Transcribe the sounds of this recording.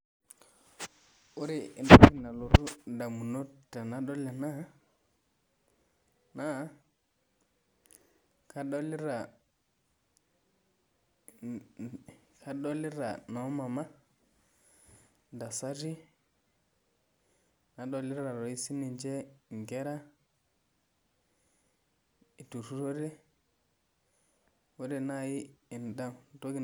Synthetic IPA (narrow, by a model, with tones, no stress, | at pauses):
u˦ɾi˨ʔndu˦pi˦na˨lo˨tu˦da˨mu˨no˦ta˨na˨ɗɔ˦la˨na˦ | na˦ | ka˨˦ɗɔ˦li˦ɾa˨ | kʰa˦ɗɔ˦li˦ɾa˨nɔ˦ma˨ma˦ | nda˨sa˦di˦ | na˨ɗo˨li˦ɾa˨ɾo˨i˦si˦ni˨nd͡ʒe˦ŋɡe˦ɾa˦ | i˨tu˨tu˦ɾo˦de˦ | wo˦de˨na˦ji˦i˨n˨da˦˨mto˦ɡi˨